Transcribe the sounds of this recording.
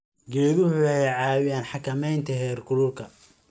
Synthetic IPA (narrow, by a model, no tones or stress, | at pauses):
ɡɛːðwʊhʊːɛjʕɑːwɪjaːnħɑkʰɐmɛjnt̪ʰɐɦɛːrkʰʊlʊlkʰɐ